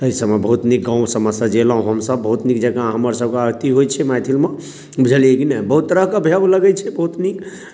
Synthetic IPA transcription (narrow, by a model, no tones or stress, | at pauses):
əjsəbmebəɦut̪nik̚ɡãw̃səməsad͡ʒelaɦũɦəmsəbːəɦut̪nikd͡ʒəɡãɦəməɾsəb̚keaɡt̪iɦojt͡ʃʰɛmajt̪ʰilme | bud͡ʒʱəlijɛkinɛbəɦut̪ːəɾəkəbʱjabləɡɛt͡ʃʰɛbəɦut̪nik